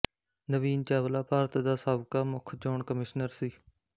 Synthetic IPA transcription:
nəʋiːnt͡ʃaːʋəlaːpaːɾət̪d̪aːsaːbkaːmʊkʰd͡ʒoːɳkəmɪʃnəɾsiː

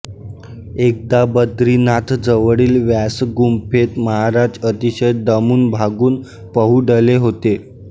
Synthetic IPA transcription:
ek̚d̪abəd̪ɾiːnat̪ʰd͡zəʋəɽiːlʋjæsɡumpʰet̪məɦaɾad͡zət̪iɕəj̚d̪əmuːnbʱaɡuːn | pəɦuɖəleɦot̪e

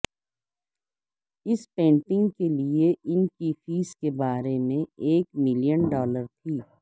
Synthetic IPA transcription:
ɪspẽːɳʈɪ̃ŋɡkelieʔɪnkifiːskebaːɾemẽeːkmɪlijənɖɔːləɾt̪ʰiː

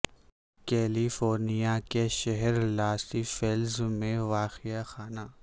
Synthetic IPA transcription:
kɛːlifoːɾnijakeʃɛɦɛɾlaːst̪ifelzmẽʋaːxijaxaːna

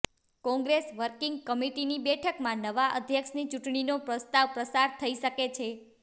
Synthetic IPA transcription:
kɔ̃ŋɡɾesʋəɾkiŋɡ̚kəmiʈinibɛʈʰəkmãnəʋaʔəd̪ʱjəkʃnit͡ʃuʈɳ̃inopɾəst̪aʋpɾəsaɾt̪ʰəiʃəket͡ʃʰe

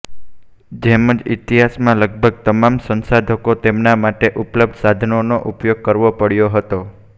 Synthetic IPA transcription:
d͡ʒeməd͡ʒḭt̪iɦasmãləɡ̚bʱəɡ̚t̪əmamsə̃nsad̪ʱəkot̪emnamaʈeʔupləb̚d̪ʱsad̪ʱənonoʔupjoɡ̚kəɾʋopəɽjoɦət̪o

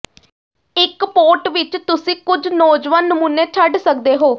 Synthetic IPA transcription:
ɪkpoːʈʋɪt͡ʃt̪ʊsĩːkʊd͡ʒnɔːd͡ʒʋanːəmuːneːt͡ʃʰəɖsək̚d̪eːɦoː

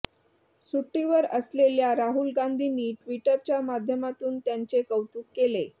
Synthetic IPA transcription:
suʈːiʋəɾəsleljaɾaɦulɡand̪ʱiːniːʈʋiʈəɾt͡ɕjamad̪ʱjəmat̪uːnt̪jant͡sekəwt̪uːkːele

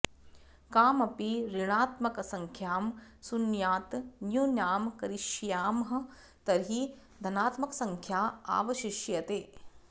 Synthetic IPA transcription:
kaːmɐpiɾiɳ̃aːt̪mɐkɐsɐŋkʰjaːmsunjaːt̪njunjaːmkɐɾiʃjaːmɦɐ̆ | t̪ɐɾɦi | d̪ʱɐnaːt̪mɐkɐsɐŋkʰjaːa̰ːʋɐʃiʃjɐt̪eː

